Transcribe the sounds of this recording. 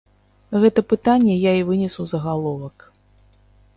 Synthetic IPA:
ɣɛt̪ɐpɨt̪anʲːɛjaivɨnʲɛsuzɐɣalˠɔvɐk

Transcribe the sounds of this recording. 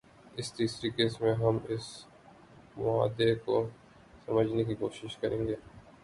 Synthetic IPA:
ɪst̪iːsɾikeːsmẽɦɐmɪs | mʊa̰ːd̪eko | sɐməd͡ʒʱnekikoːʃɪʃkɐɾḛ̃ːŋɡeː

